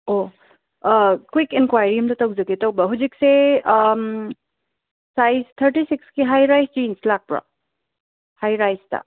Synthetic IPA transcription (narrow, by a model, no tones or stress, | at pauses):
o | kwikenkwajɾiɐmtɐtawzɐkitawbɐɦuzik̚se | sajstʰɐɾtisikskiɦajɾajsd͡ʒinslak̚pɾɐ̰ | hajɾajstɐ̰